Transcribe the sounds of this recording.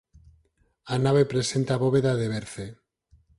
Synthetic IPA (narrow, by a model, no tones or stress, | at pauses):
anaβepɾesent̪aβoβeðaðeβeɾθe